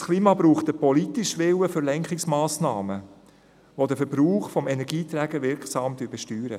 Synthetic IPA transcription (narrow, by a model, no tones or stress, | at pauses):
skʰliːmɑbɾuːχt̪əpɔlit̪iʃʋɪwəfʏɾlɛŋkχɪksmaːsnɑːmə | ʋod̪əfɛɾb̥ɾuːχfɔmɛnɛɾɡiːt̪ɾæːɡəʋɪɾksɑːmd̥yːɾbɛʃtyːɾə̰